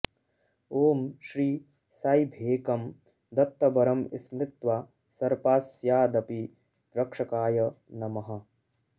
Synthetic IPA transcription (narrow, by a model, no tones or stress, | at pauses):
oːmʃɾiː | sajbʱeːkɐm | d̪ɐt̪ːɐbɐɾɐmḭsmɾɪt̪ʋa | sɐɾpaːsjaːd̪ɐpi | ɾɐkʂɐkaːjɐ | nɐmɐɦɐ̆